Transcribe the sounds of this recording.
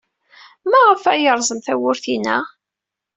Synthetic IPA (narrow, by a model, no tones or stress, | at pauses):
mæʁəfæjəɾˤzˤəmθæwʊɾθinæ̰